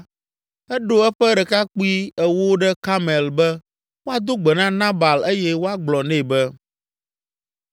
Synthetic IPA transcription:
ɛ˦ɖo˦ɛ˦ɸɛ˦ɖɛ˨ka˦k͡pu˦i˦ɛ˨wo˦ɖɛ˦ka˦mɛ˨lbɛ˦ | wo˦a˨d̪o˦ɡ͡bɛ˨nã˦nã˦ba˨le˦jɛ˦wo˦a˦ɡ͡blɔ˨nɛ̃˦˨bɛ˦

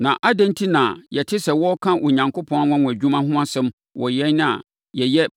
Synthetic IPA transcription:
nã̰˨ʔa˦dã˦ntʰi˦nã˨jɛ˨tʰɪ˦sɛ˨wɔ˦kʰã˦ʔɔ˨ɲã˨ŋko˦pʰɔ̃˦n˦a˦wã˦w̃ʷæ˨d͡ʑᶣu˦mã˦ɦʊ̃˦a˦sɛ̃˦m | wɔ̰˨jɛ˦nnɪ̃˦a̰˨ | jɛ˨jɛ˦

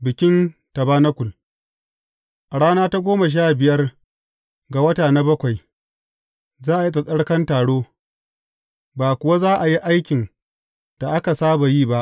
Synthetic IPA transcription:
bɪ˨kʲɪ˦ntɐ˨baː˦nɐ˦kʷʊ˨l | ʔa˨ɽaː˦naː˦ta˦ɡʷoː˦ma˨ʃ̬aː˦˨bɪ˨jɐ˦r | ɡa˨wɐ˦taː˨na˦bɐ˦kʷa˨j | zaː˦ʔa˨ji˦tʼɐ˨sʼɐ˦ɽkɐ˦ntaː˨ɽoː˦ | baː˨kʷʊ˨wa˦zaː˦ʔa˨ji˦ʔa˦jkʲɪ˨n | d̥a˨ʔa˦ka˨saː˦ba˨jiː˦ba˦ʔ

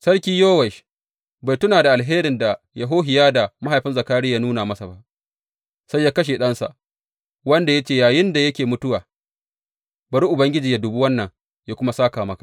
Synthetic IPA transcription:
sɐ˦ɽkʲiː˦joː˦wɛ˨ʃ | ba˨jtʊ˦naː˨da˨ʔa˨lɦeː˦ɾɪ˨nda˨ | ja˨ɦoː˦ɦɪ˨jaː˦da˨ma˦ɦa˨jɸɪ˦nzɐ˨kaː˦ɽɪ˦jaː˦nuː˦naː˨mɐ˦sa˨ba˦ʔ | sa˦jːaː˦kɐ˦ʃ̬e˨ɗɐ˦nsa̰˨ʔ | wɐ˦nda˨ja˦t͡ʃeː˦˨jaː˨jɪ˦nda˨jɐ˦kʲeː˨mʊ˦tʊ˦waː˨ | bɐ˨ɾi˦ʔʊ˨bɐ˦ŋɡʲɪ˦d͡ʒiː˨ja˦dʊ˨bu˦wɐ˦nːɐ˨ŋ | ja˦kʷʊ˦ma˦saː˦kaː˨mɐ˦kḁ˨ʔ

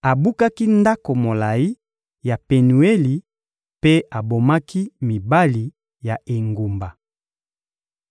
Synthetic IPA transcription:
a˨bu˦ka˦ki˦nda˦ko˨mo˨la˨ji˦ | ja˨pe˨nu˨e˦li˨ | pe˦a˨bo˨ma˦kʰi˦mi˨ba˦li˨ | ja˨ʔe˨ŋɡu˨mba˨

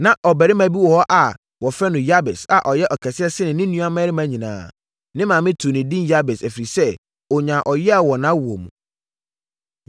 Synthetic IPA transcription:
nã˨ʔɔ˨bɛ˨ɾɪ˦mã˨bi˦wɔ˨hɔ˦ʔa˨ | wɔ˨fɛ˦nʊ̃˨ja˦bɛ˨sa˨ʔɔ˨jɛ˦ʔɔ˨kʰɛ˨sɪ˦ɛ˦sɪ˦nɪ̃˨nɪ̃˦nũ˦a˦mɛ̃˦ɾɪ˦mã˦ɲĩ˨nã̰ː˨ | nɪ̃˦mãː˨mɪ̃˦tʰu˨nɪ̃˨dĩ˦nja˦bɛ˨sæ˨fi˨ɾi˨sɛ˦ | ɔ˨ɲã˨ʔɔ˨jɛ˦a˨wɔ˨nã˦wu˨o˨mṵ̃˨

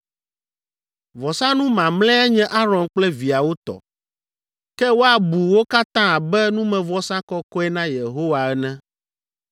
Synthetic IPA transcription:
vɔ˨sã˦nũ˦mã˨mlɛ̃˦ɛ˦ɲɛ̃˦ʔa˦ɾɔ̃˨ŋk͡plɛ˦vi˨a˨wo˦t̪ɔ̰˨ | kɛ˦wo˦a˨bu˨wo˦ka˦t̪ã˦a˨bɛ˦nũ˦mɛ̃˨vɔ˦sã˦kɔ˦kɔ˦ɛ˦nã˦je˨ɦo˦wa˨ɛ˦nɛ̃˦

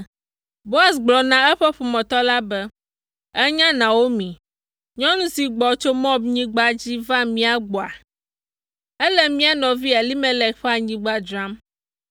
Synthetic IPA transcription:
bo˦a˨sɡ͡blɔ˨nã˦ɛ˦ɸɛ˦ɸo˨mɔ̃˨t̪ɔ˦la˦bɛ˦ | ɛ˦ɲã˦nã˨wo˦mĩ˨ | ɲɔ̃˦nũ˦si˨ɡ͡bɔ˨t͡ʃo˦mɔ̃˦b̚ɲĩ˦ɡ͡ba˦d͡ʑi˦va˦mĩ˦a˨ɡ͡bo˨a˨ | ɛ˦lɛ˦mĩ˦a˦nɔ̃˨vi˦a˨li˦mɛ̃˦lɛ˨kɸɛ˦a˨ɲĩ˨ɡ͡ba˦d͡ʒɾã˦m

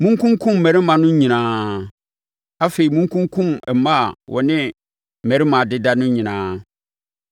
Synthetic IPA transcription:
mũ˦ŋ˦kʰũ˦ŋ˦kʰũ˦m̩ː˨ɛ̃˨ɾɪ˦mã˨nʊ̃˦ɲĩ˨nãː˦ | a˦fe˨i˨mũ˦ŋ˦kʰũ˦ŋkʰũ˦mɛ˨˦mã˦˨wʔɔ̰˨nɪ̃˦ | m̩˨mɛ̃˨ɾɪ˦mã˨dɪ˦da˦nʊ̃˦ɲĩ˨nãː˦

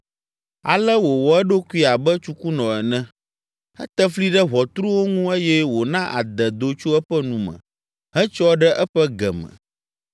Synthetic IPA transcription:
a̰˨lɛ˦wo˨wɔ˨ɛ˦ɖo˦kʷu˦i˦a˨bɛ˦t͡ʃu˦ku˦nɔ̃˨ɛ˨nɛ̃˦ | ɛ̰˦t̪ɛ˦fli˦ɖɛ˦βɔ˨t̪ɾu˦wo˦ŋũ˦e˦jɛ˦wo˨nã˦ʔa̰˨d̪ɛ˨d̪o˨t͡ʃo˦ɛ˦ɸɛ˦nũ˨mə̰̃˨ | ɦɛ˦t͡ʃɔ˦ɖɛ˦ʔɛ˦ɸɛ˦ɡɛ̰˨mɛ̰̃˨

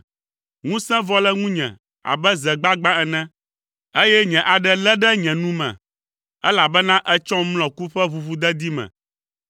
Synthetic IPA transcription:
ŋũ˦sɛ̃˦vɔ˦lɛ˦ŋũ˦ɲɛ̰̃˨ | a̰˨bɛ˦zɛ˨ɡ͡ba˦ɡ͡bã˦ɛ˨nɛ̃˦ | e˦jɛ˦ɲɛ̃˨ʔa˨ɖɛ˦lɛ˦ɖɛ˦ɲɛ̃˨nũ˦mɛ̰̃˨ | ɛ˦la˨bɛ˦nã˦ʔɛ˦t͡ʃɔ̃˦mlɔ̃˨ku˦ɸɛ˦vu˨vu˦d̪ɛ˦d̪i˦mɛ̰̃˨

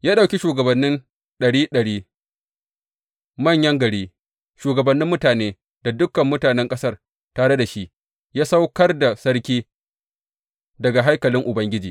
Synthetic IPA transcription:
jaː˦ɗa˨wkʲi˦ʃuː˨ɡɐ˨bɐ˨nːɪ˦n | ɗɐ˨ɽiː˦ɗɐ˨ɽiː˦ | mɐ˦˨ɲjɐ˦ŋɡɐ˨ɽiː˦ | ʃuː˨ɡɐ˨bɐ˨nːɪ˦mːʊ˦taː˨neː˦ | d̥a˨dʊ˦kɐ˨mːʊ˦taː˨nɛ˦ŋkʼɐ˦sɐ˦r | taː˨ɽe˦da˨ʃi˦ʔ | jaː˦sa˦wkɐ˦rda˨sɐ˦ɽkʲiː˦ | dɐ˨ɡa˨ɦa˦jkɐ˨lɪ˦ŋʔʊ˨bɐ˦ŋɡʲɪ˦d͡ʒiː˨

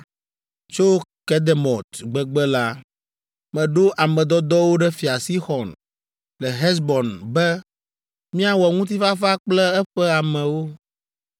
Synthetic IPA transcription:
t͡ʃo˦kɛ˦d̪e˨mɔ˨t̪ɡ͡bɛ˦ɡ͡bɛ˦la˦ | mɛ̃˨ɖo˦ʔa˨mɛ̃˨d̪ɔ˦d̪ɔ˦wo˦ɖɛ˦fi˨a˨si˦xɔ˨n | lɛ˨ɦɛ˦s̬bɔ˨nbɛ˦ | mĩ˦a˨wɔ˨ŋũ˦t̪̬i˦fa˦fa˦k͡plɛ˦ɛ˦ɸɛ˦a˨mɛ̃˨wo˦

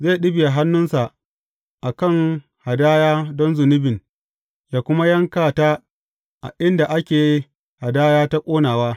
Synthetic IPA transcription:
zeː˦˨ɗɪ˦bɪ˨ja˨ɦa˦nːʊ˦nsa˨ʔ | ʔa˨kɐ˦˨ŋ | ha˨daː˦jaː˦dɔ˦nzʊ˨nɪ˦bɪ˨n | jaː˦kʷʊ˦ma˦jɐ˦ŋkaː˨taː˦ | ʔa̰˨ʔɪ˦nda˨ʔa˦kʲeː˨ji˦ | ha˨daː˦jaː˦ta˦kʷʼoː˦naː˨waː˦

